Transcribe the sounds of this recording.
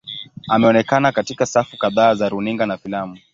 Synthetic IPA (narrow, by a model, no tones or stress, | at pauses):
amɛɔnɛkanakatikasafukaðaːzaɾuniŋɡanafilamu